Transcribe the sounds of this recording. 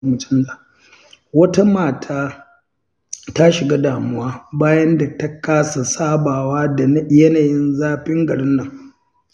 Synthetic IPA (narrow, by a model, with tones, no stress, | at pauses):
mʊ˨tɐ˦m˦la˨ | wɐ˦ta˦maː˨tʰaː˦ | ta˦ʃɪ˨ɡa˦daː˨mʊ˦waː˦baː˦jɐ˦nda˨tɐ˦kaː˦sa˨saː˦baː˨waː˦da˨˦jɐ˦naː˨jɪ˦nzaː˦ɸɪ˦ŋɡɐ˨ɽɪ˦nːɐ˨ŋ